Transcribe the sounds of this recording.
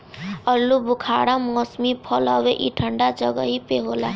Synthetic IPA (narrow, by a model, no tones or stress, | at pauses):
əɾlːubʊkʰaɽamɔsmipʰɔləweʔiʈʰəɳɖad͡ʒəɡəɦipeɦoːla